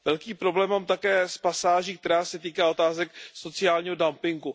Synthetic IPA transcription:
vɛlkiːpɾo̞blɛːmːaːmt̪akɛːspasaːʒiːk̚t̪ɛɾaːsɛt̪iːkaːo̞t̪aːzɛkso̞t͡sɪaːlɲiːɦo̞dampɪŋɡu

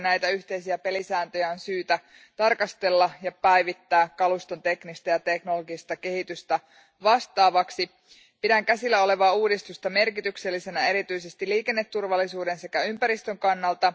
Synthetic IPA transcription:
næjt̪æyçt̪e̞jsiæpe̞lisæːnt̪øjæonsyːt̪æ | t̪ɑrkɑst̪e̞lːɑjɑpæjʋit̪ːæːkkːɑlust̪o̞nt̪e̞knist̪ɑjɑt̪e̞kno̞loɡist̪ɑke̞hit̪yst̪æ | ʋɑst̪ɑːʋɑksi | pidæŋkæsilːæo̞le̞ʋɑːuːdist̪ust̪ɑme̞rkit̪ykselːise̞næe̞ɾit̪yisest̪iliːke̞nːet̪ːurʋɑlːisuːde̞nse̞kæympæɾist̪øŋkɑnːɑlt̪ɑ

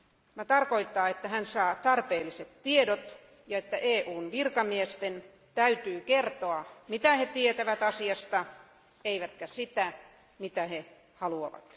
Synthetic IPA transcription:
ʋɑt̪ɑrkoit̪ːɑːet̪ːæhænsɑːt̪ɑrpeːliset̪tiedot̪ | jɑet̪ːæʔeːʔuːnʋirkɑmiest̪en | t̪æyt̪yːkert̪oɑmit̪æhet̪iet̪æʋæt̪ɑsiɑst̪ɑ | eiʋæt̪kæsit̪æ | mit̪æhe | hɑluɑ̰ʋɑ̰t̪

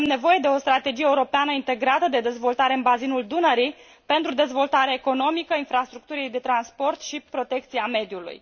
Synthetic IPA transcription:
mnevo̞je̞d̪e̞o̞st̪ɾat̪e̞d͡ʒijeuɾo̞peanəint̪e̞ɡɾat̪əd̪e̞d̪e̞zvo̞lt̪aɾe̞ɨnbazinuld̪unəɾi | pe̞nt̪ɾud̪e̞zvo̞lt̪aɾeːko̞no̞mikəinfɾast̪ɾuk̚t̪uɾiejd̪e̞t̪ɾanspo̞rt̪ʃipɾo̞t̪e̞k̚t̪siame̞d̪julṵj

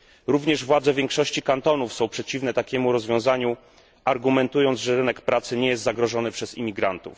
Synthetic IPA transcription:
ɾuvɲɛʐvwad̪zɛvʲjɛŋkʂɔɕt͡ɕikant̪ɔnufsɔ̃w̃pʂɛt͡ɕivnɛt̪akʲɛmuɾɔzvjɔ̃w̃zaɲu | aɾɡumɛnt̪ujɔnʐɛɾɘnɛkpɾat̪sɘɲɛjɛst̪zaɡɾɔʐɔnɘpʂɛzḭmʲiɡɾant̪ṵf

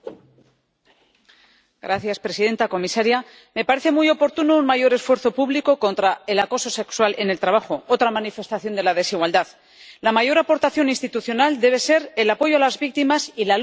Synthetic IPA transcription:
ɡɾaθjaspɾe̞siðe̞nt̪ako̞misaɾja | me̞paɾe̞θe̞mujo̞po̞ɾt̪unounmaʝo̞ɾe̞sfwe̞ɾθo̞puβliko̞ko̞nt̪ɾae̞lako̞so̞se̞kswale̞ne̞lt̪ɾaβaxo̞ot̪ɾamanife̞st̪aθjo̞nd̪e̞lað̞e̞siɣwald̪að | lamaʝo̞ɾapo̞ɾt̪aθjo̞ninst̪it̪uθjo̞nald̪e̞β̞e̞se̞ɾe̞lapo̞ʝoalazβik̚t̪imasila

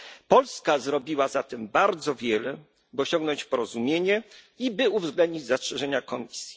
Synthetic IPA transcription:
pɔlskazɾɔbʲiwazat̪ɛmbaɾd̪zɔvʲjɛlɛ | bɘɔɕɔ̃ŋɡnɔɲt͡ɕpɔɾɔzumʲjeɲɛ | ibɘuvzɡlɛnd̪ɲid͡ʑzastʂɛʐɛɲakɔmʲisʲji̥

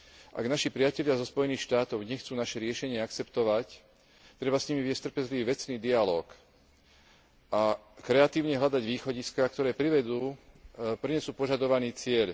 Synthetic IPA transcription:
ʔa̰ɡnaʃipɾɪacɛʎɪazɔspɔjɛniːxʃt̪aːt̪ɔʊɲɛxt͡suːnaʃɛɾɪɛʃɛɲɪɛakt͡sɛpt̪ɔʋac | t̪ɾɛbasɲimiʋɪɛst̪r̩pɛzliʋiːʋɛt͡sniːd̪ialɔ̰ːk | akɾɛat̪iːʊɲɛɦʎad̪aɟʋiːxɔɟiskak̚t̪ɔɾɛːpɾiʋɛd̪uː | pɾiɲɛsuːpɔʒad̪ɔʋaniːt͡sɪɛʎ

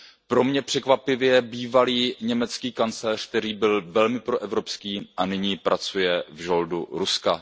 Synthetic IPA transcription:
pɾo̞mɲɛpr̝̥ɛkvapɪvjɛbiːvaliːɲɛmɛt͡skiːkant͡slɛːr̥k̚t̪ɛɾiːbɪlvɛlmɪpɾoʔɛvɾo̞pskiːʔanɪɲiːpɾʔat͡sujɛvʒo̞ldṵɾuska

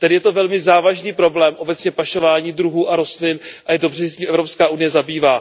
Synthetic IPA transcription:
t̪ɛdɪjɛt̪o̞vɛlmɪzaːvaʒniːpɾo̞blɛːmʔo̞bɛt͡sɲɛpaʃo̞vaːɲiːdɾuɦuːʔaɾo̞st̪lɪnʔajɛdobr̝ɛssɛciːmʔɛvɾo̞pskaːʔunɪjɛzabiːvaː

